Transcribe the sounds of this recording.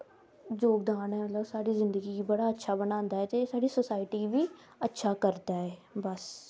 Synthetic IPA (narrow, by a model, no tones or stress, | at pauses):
d͡ʒoːkd̪aːnɛːmət̪ləbsaːɽiːzɪ̃nd̪əɡiːɡibəɽaːətːʃʰaːbənãːnd̪aːɦɛːt̪esaːɽiːsosaːɪʈiːbiː | ətːʃʰaːkəɾd̪aːɛːbəs